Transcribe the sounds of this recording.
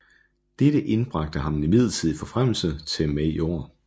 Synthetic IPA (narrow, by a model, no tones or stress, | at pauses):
d̥ed̥əʔe̝nb̥ʁɑ̈ɡ̥̚d̥əɦɑ̈mnimið̞̰ˠl̩ˠt͡sʰið̰ˠifɒ̽fʁam̰l̩sət͡sʰe̝mæo̝̰ɐ̰